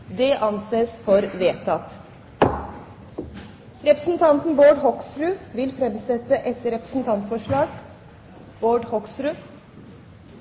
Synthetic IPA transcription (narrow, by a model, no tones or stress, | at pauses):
d̪ɛʔɑnseːsfɔɾʋeːt̪ʰɑt̪ | ɾɛpɾəsn̩t̪ʰɑnt̪nboːɖhɔksɾʉʋɪlfɾɛmsɛt̪ːəʔɛt̪ɾɛpɾə̥sn̩t̪ʰɑnt̪fɔʂɭɑːɡ | b̥oːɖhɔksɾʉ